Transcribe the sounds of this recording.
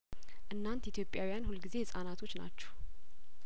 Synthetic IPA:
ʔɨnːant̪it̪jo̞pʼjawijanhulɡize̞sʼanat̪ʰo̞t͡ʃːna̰t͡ʃːɛw

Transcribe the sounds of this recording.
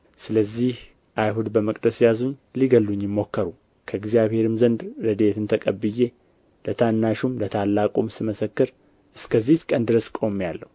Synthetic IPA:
sɨləzːih | ʔajɦud̪bəməkʼd̪əsjazuɲːliɡəlːuɲːjɪmːo̞kːəɾu | kʰəɨɡzijaβhe̞ɾɨmzənd̪ɾəd̪e̞t̪ʰɨnt̪ʰəkʼəbɨje̞ | lət̪ʰanːaʃumlət̪ʰalːakʼumsɨməsəkːɨɾ | ʔɨskʰəzːiht͡ʃkʼənd̪ɨɾəskʼo̞mːjalːəhu

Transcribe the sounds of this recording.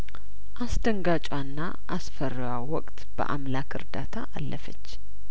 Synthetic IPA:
ʔasd̪əŋɡat͡ʃʼwanːa | ʔasfərːjawɔkʼt̪b̥ə̰ʔa̰mlakʰɨ̰ɾd̪at̪ʰaʔalːəfət͡ʃː

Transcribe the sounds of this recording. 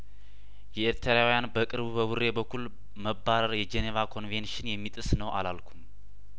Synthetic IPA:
jɛeɾt̪ʰəɾawijanbəkʼɨɾbubəwurːe̞bəkʰːul | məbːaɾəɾjɛd͡ʒɛnevakʰo̞nvenʃɪnjɛmːit̪ʼɨsnəwʔa̰lalkʰum

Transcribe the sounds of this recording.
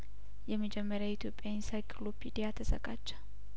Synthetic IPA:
jɛməd͡ʒɛmːəɾjait̪ʰjo̞pʼːjaɪnsajkʰlopʰid̪ijat̪ʰəsə̰ɡʼat͡ʃːə

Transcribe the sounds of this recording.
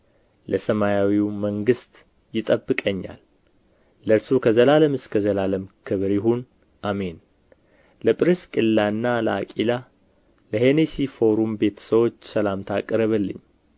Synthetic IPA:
ləsəmajawiwməŋɡɨst̪ʼ | jɪt̪ʼəbːɨkʼəɲːa̰lː | əɾsukʰəzəlaləmɨskʰəzəlaləmkʰɨβɾjɪɦun | ʔame̞n | ləpʼɾiskʼɨlːaɨnːaləakʼila | ləhenesifo̞ɾumbe̞t̪ʰə̥səwo̞t͡ʃːsəlamt̪ʰakʼːɨɾəβəlːɨ̰ɲː

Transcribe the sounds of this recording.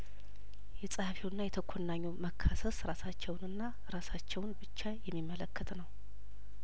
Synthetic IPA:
jɛsʼhfewnːajɛt̪ʰəkʷʰːonːaɲːoməkʰːasəsɾasat͡ʃːɛwnɨnːa | ɾasat͡ʃːɛwnbɨt͡ʃːajɛmːimːələkʰːət̪nəw

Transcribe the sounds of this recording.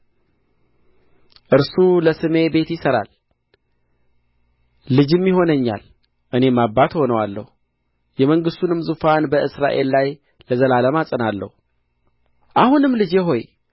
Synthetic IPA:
ʔɨɾsuləsɨme̞be̞t̪jɪsəɾa̰l | ɨd͡ʒɨmːiɦo̞nəɲːa̰l | ʔɨne̞mabːat̪ho̞nəwalːə̰hu | jɛməŋɡɨst̪unɨmzufanbəʔɨsɾa̰ʔe̞lːaj | ləzəlaləmasʼənalːə̰hu | ʔahunɨmlɨd͡ʒeɦo̞j

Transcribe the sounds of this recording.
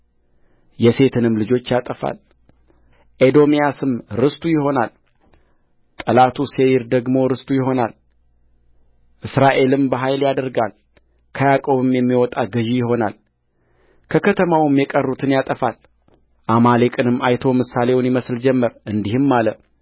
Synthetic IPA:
jɛse̞t̪ʰɨnɨmlɨd͡ʒo̞t͡ʃːjat̪ʼəfa̰l | ʔed̪o̞mijasɨmɾɨst̪ʰʼujɪɦo̞nal | t̪ʼəlat̪ʰusejɪɾd̪əɡmo̞ɾɨst̪ʼujɪɦo̞nal | ʔɨsɾaʔe̞lɨmbəɦajljad̪əɾɡa̰l | kʰəjakʼo̞βɨmjɛmːiwɔt̪ʼaɡɨʒijɪɦo̞na̰l | kʰəkʰət̪ʰəmawmjɛkʼərːut̪ʰɨnjat̪ʼəfal | ʔamalekʼɨnɨmːajt̪ʰo̞mɨsale̞wʊnjɪməsld͡ʒɛmːəɾʔɨnd̪ihɨmːalə

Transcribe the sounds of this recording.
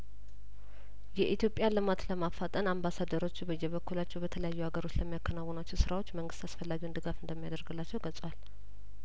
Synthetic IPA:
jɛʔit̪jo̞pʼjalɨmat̪ləmafːat̪ʼənambasad̪əɾo̞t͡ʃːubəjːɛβəkːulat͡ʃːɛwbət̪ʰələjajːuhaɡəɾo̞t͡ʃːləmːijakʰːənawɔnat͡ʃːɛwsɨɾawot͡ʃːməŋɡɨst̪asfəlːaɡiwnd̪ɨɡafɨnd̪əmːijad̪əɾɡɨlːat͡ʃːɛwɡəsʼwal

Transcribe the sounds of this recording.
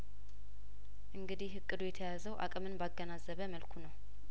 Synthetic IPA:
ʔɨŋɡɨd̪ihɦɨkʼːɨd̪ujɛt̪ʰəjazəwʔa̰kʼɨmɨnbaɡːənazəβəməlkʰunəw

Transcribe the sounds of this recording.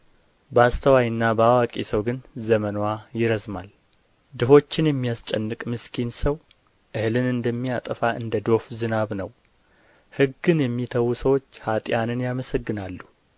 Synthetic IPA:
bəast̪ʰəwajɨnːabəawakʼisəwɡɨnzəmənwajɪɾəzmal | d̪ɨɦo̞t͡ʃːɪnjɛmːijast͡ʃʼɛnːɨkʼmɨskʰinsəw | ʔɨhlɨnɨnd̪əmːijat̪ʼəfaʔɨ̰nd̪əd̪o̞fzɨnaβnəw | hɨɡːɨnjɛmːit̪ʰəwusəwo̞t͡ʃːhat̪ʼjanɨnjaməsəɡːɨnalːu

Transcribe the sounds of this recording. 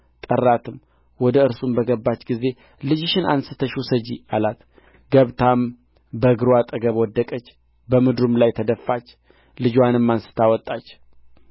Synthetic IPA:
t̪ʼərːat̪ʰɨm | wɔd̪əɨɾsumbəɡəbːat͡ʃːɡize̞ | lɨd͡ʒɪʃɪna̰nsɨt̪ʰəʃusəd͡ʒialat̪ | ɡəβt̪ʰam | bəɡɨɾwat̪ʼəɡəβwɔd̪ːəkʼət͡ʃː | bəmɨd̪ɾumlajt̪ʰəd̪əfːat͡ʃː | lɨd͡ʒwanɨmːansɨ̥t̪ʰawɔt̪ʼːat͡ʃː

